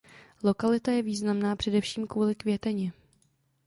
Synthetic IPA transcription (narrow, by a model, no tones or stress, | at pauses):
lo̞kalɪt̪ajɛviːznamnaːpr̥ɛdɛfʃiːmkvuːlɪkvjɛt̪ɛɲɛ